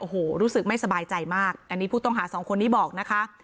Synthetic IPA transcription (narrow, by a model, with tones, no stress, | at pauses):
ʔoː˨˩hoː˨˩ɾuː˦˥sɯ˨˩k̚ma˥˩jsa˧baː˧jt͡ɕa˧jmaː˥˩k̚ʔa˧nːiː˦˥pʰuː˥˩t̪ɔ˥˩ŋɦaː˩˦sɔː˩˦ŋkʰo˧nːiː˦˥bɔː˨˩k̚na˦˥kʰa˦˥ʔ